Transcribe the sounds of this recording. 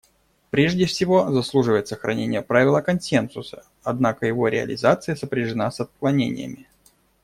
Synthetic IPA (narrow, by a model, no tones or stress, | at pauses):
pɾʲeʐdʲɪfsʲɪvo̞zɐslˠuʐɨvəjɪt̪səxɾʔɐ̰nʲenʲɪjəpɾavʲɪlˠəkɐnsʲensʊsə̥ | ɐd̪nakəjɪvo̞ɾʲɪɐ̰lʲɪ̰zat̪sɨjəsəpɾʲɪʐɨnasɐt̪̚klˠɐnʲḛnʲɪ̰jə̰mʲɪ